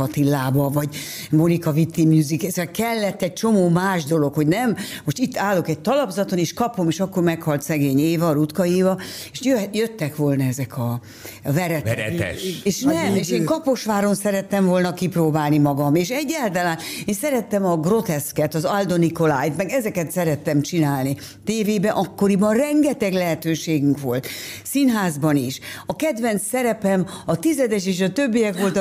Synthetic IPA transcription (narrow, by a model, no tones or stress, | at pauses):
ɒt̪ilːaːbɒvɒɟ | mo̞nikɒvit̪ːimjuːzikɛsɛkɛlːɛt̪ːɛc̚t͡ʃo̞moːmaːʒd̪o̞lo̞kho̞ɟnɛmːo̞ʃt̪it̪ːaːlːokɛc̚t̪ɒlɒbzɒt̪oneːʃkɒpo̞meːʃɒkːo̞rmɛkhɒlt̪sɛɡeːɲeːvɒɾut̪kɒeːvɒ | eːʃjøjøt̪ːɛkʋoːlnɒɛzɛkʰɒ | vɛɾɛtɛɾɛɛ̰ʃeːʃnɛmeːʃeːŋkɒpo̞ʃʋaːɾo̞nsɛɾɛt̪ːɛɱvo̞lnɒkiproːbaːlnimɒɡɒmeːʃɛɟːɛlt̪ɛlaːneːnsɛɾɛt̪ːɛmɒɡro̞t̪ɛskɛt̪ɒzɒld̪o̞niko̞laːjt̪mɛɡɛzɛkɛt̪sɛɾɛt̪ːɛmt͡ʃinaːlni | t̪eːveːbɛʔɒkːo̞ɾibɒnrɛŋɡɛt̪ɛɡlɛɦɛt̪øːʃeːɡyŋkʋo̞lt̪sinɦaːzbɒniʃɒkɛd̪vɛnt̪sɛɾɛpɛmɒt̪izɛd̪ɛʃeːʃɒt̪øbːijɛkʋo̞lt̪